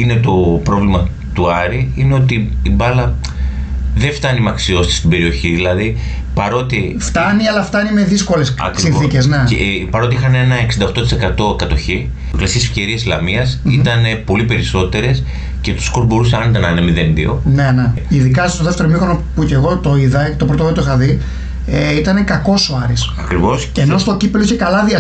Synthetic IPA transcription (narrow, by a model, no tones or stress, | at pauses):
ine̞t̪o̞pɾo̞vlimɐ | t̪uɐɾiineo̞t̪iːbɐlɐ | ðe̞ft̪ɐnimɐksio̞sit̪st̪ibe̞ɾio̞çiðilɐði | pɐɾo̞t̪i | ft̪ɐniɐlɐft̪ɐnime̞ðisko̞lesɐ̰kɾisinθθicezneepɐɾo̞t̪iixɐne̞nɐeksind̪ɐo̞xt̪ot̪ise̞kɐt̪o̞kɐt̪o̞çi | klɐsiesfce̞ɾieslɐmiɐsit̪ɐnepo̞lipe̞ɾiso̞t̪e̞ɾe̞s | ce̞t̪u̥skozbo̞ɾuseɐnit̪ɐnɐnemiðenðḭo̞̰ne̞ne̞iðikɐst̪o̞ðeft̪e̞ɾomixonopuce̞ɣo̞t̪o̞iðɐt̪o̞pɾot̪ot̪oixɐði | eit̪ɐne̞kɐko̞soɐɾisɐkɾivo̞seno̞st̪o̞cipeloiçekɐlɐðiɐ